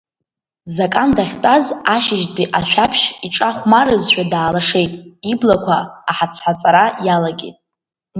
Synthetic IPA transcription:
zakʼandaχʲtʼazaʃɪʒtbiʔaʃᶣapʰʃiʈ͡ʂʼaχʷmaɾɨzʃʷᶣadaːlaʂe̞jtʼiblakʷʰaːħat͡sʰħat͡sʼaɾajalaɡʲḭtʼ

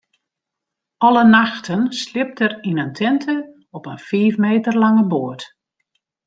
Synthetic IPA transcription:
ʔɔlənaxtʰənslɪp̚tərinəntʰɛntʰə | ɔpənfiːfmeːtərlɑŋəboət

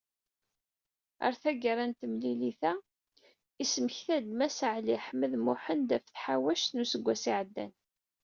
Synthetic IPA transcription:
ə̰ɾθæɡəɾˤænt̪əmliliθæ | isəməçθæd̪mæsəʕliħməðmʊħənd̪æfθħawæʃt̪nusəɡʷːæsiʕəd̪ːæ̰n

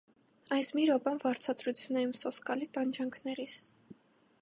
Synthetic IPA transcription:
ɑjsmiɾɔbɑnvɑɾt͡sʰɑd̪ɾut͡sʰjunɛjumsɔskɑlit̪ɑnd͡ʒɑŋkʰnɛɾis

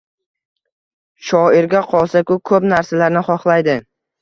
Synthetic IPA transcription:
ʃɒɪɾɡʲaqʰɒlˠsakʲʊkʰɵpnaɾsalaɾnɪχɒχlˠajd̪ɪ

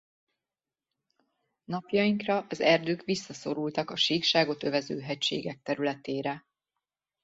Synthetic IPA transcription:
nɒpjɒjiŋkrɒʔɒzɛrd̪øːkʋisːɒso̞ɾult̪ɒkɒʃiːkʃaːɡo̞t̪ø̞vɛzø̰ːɦɛcʃḛːɡɛk̚t̪ɛɾylɛt̪eːɾɛ

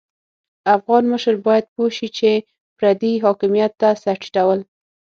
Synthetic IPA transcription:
afɣɑnməʃəɾbɑjad̪̚poʃit͡ʃe | pɾad̪iɦɑkɪmijat̪ːasaʈi̥ʈawəl

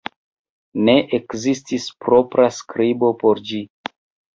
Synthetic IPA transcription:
ne̞ʔekzistispɾo̞pɾaskɾibo̞po̞ɾd͡ʒi

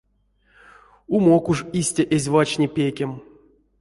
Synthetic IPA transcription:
umokuʐisʲtʲaʔezʲvat͡ʃnʲipʲekʲem

